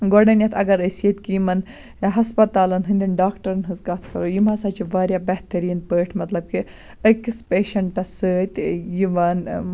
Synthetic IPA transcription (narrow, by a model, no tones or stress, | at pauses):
ɡoɖɐnjɐt̪ʰɐ̰ɡɐɾɐsijet̪ʲkijimɐn | ɦɐspɐt̪aːlɐnɦɨnd̪ʲinɖaːkʈɐɾɐnɦɨzɡɐt̪ʰpʰɐɾojimasɐːt͡ʃʰiʋaːɾjabɛht̪ɐɾiːnpəːʈʰmɐt̪lɐb̚ki | əkispeːʃɐɳʈɐsəːt̪ʲjiʋaːn